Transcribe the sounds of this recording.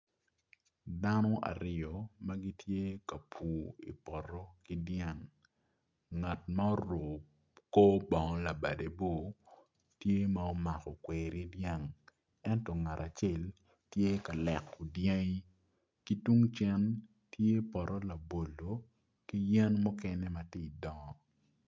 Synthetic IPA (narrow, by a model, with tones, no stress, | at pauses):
da˦nɔ˦ʔa̰˨ɾɪ˨ɔ˨mɐ˦ɡi˦tje˦ka˨pʰuː˨ḭ˨pɔ˨ɾɔ˦ki˦dja˦˨ŋ | a˨tma˦o˦ɾo˨ | ko˦bɔ˨ŋ˦la˨ba˨de˨bo˦˨ | tje˦ma˨o˦ma˨kɔ˨kweː˨ɾi˦dja˦ŋ | ɛ˦ntɔ˨ŋa˨ɾa˨t͡ʃe˦˨l | tje˦ka˨lɛ˨ku˨dja˦ŋi˦ | ki˦tu˦ŋt͡ʃɛ˦n | tʰje˦pɔ˨ɾɔ˦la˨bo˨lo˨ | ki˦jɛ˦nmɔ˦kɛ˦nɛ˦ma˨ti˦˨i˨dɔ˨ŋɔ˨